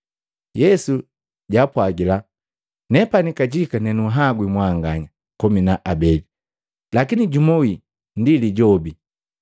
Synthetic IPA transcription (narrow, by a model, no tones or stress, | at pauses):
jɛsu | ɟaːpwaɡila | nɛpanikaɟikanɛnuɦaɡwimwaŋɡaɲa | kɔminaʔabɛli | lakiniɟumɔwi | ndiliɟɔbi